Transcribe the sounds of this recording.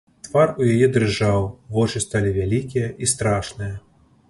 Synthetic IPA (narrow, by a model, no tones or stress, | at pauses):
t̪varujajɛd̪ɾɨʐawvɔt͡ʂɨst̪alʲivʲalʲikʲijɐʔist̪ɾaʂnɨjɐ